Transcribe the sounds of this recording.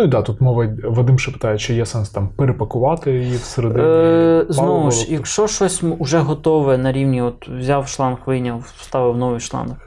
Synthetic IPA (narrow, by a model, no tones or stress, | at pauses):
nuid̪ɑt̪ut̪mɔʋɐʋɐd̪ɪmʃɐpɪ̥t̪ɑjet͡ʃt͡ʃɔjɛsɛnst̪ɑmpeɾepɐkʊʋɑt̪ɪiwseɾed̪ | znɔʋʊʃjɐkʃɔʃɔsʲʊʒɛɦɔt̪ɔʋɛnɐɾʲiwnʲiɔt̪wzʲɑwʃlˠɑnxʋʲinʲːɐ | st̪ɑʋɪwnɔʋɪjʃlˠɑ̰nk